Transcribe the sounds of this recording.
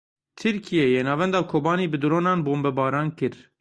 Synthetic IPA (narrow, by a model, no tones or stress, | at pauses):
t̪ʰɨɾkʰijejeːnɑːvɛnd̪ɑːkʰoːbɑːniːbɨd̪ɨɾoːnɑːnboːmbɛbɑːɾɑːnkɨɾ